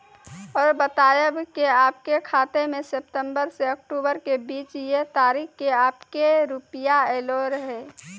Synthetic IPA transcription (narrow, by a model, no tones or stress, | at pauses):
ɔːɾbət̪aːjəbkeaːpkekʰaːt̪emẽsep̚t̪ə̃mbəɾseək̚ʈuːbəɾkebiːt͡ʃjet̪aːɾikkeaːpkeɾupijaeːloɾɦɛː